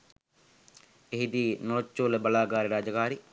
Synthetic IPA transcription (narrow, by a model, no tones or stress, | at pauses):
eɦid̪iːnoːt͡ʃːoːlebɐlaːɡaːɾeɾaːd͡ʒəkaːɾi